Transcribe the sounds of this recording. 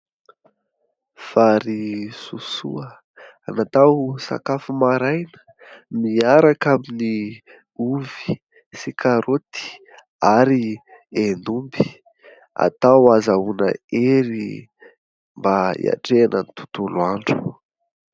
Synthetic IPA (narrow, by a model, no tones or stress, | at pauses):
faɾisusuə | anat̪awsa̰kafumaɾajnə̥ | miaɾakamini | uvi̥ | sikʰaɾot̪i̥ | aɾi | enumbi̥ | a̰t̪awazaunəeɾi | mbaḭa̰ʈ͡ʂeanənit̪u̥t̪uluaɳɖ͡ʐu̥